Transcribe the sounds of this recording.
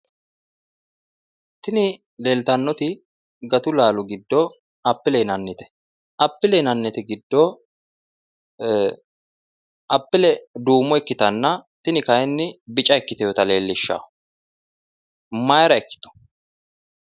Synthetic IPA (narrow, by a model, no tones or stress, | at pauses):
t̪ɪnɪ | le̞ːlt̪ɐnːɔt̪ɪ | ɡɐt̪ʊlaːlɔɡɪd̪ːɔ | ɐpːɪlɛnɐnːɪt̪ɛ̥ | ʔɐpːɪlɛnɐnːɛt̪ɛɡɪd̪ːɔ | ʔɐpːɪlɛd̪uːmːɔɛkːɪt̪ɐnːɐt̪ɪnɪkɐjɛnːɪbɪt͡ʃʼɐɛkːɪt̪ɛjɔt̪ɐle̞ːlːɪʃːa̰ː | mɐjɾɐɛkːɪ̥t̪ɔ̥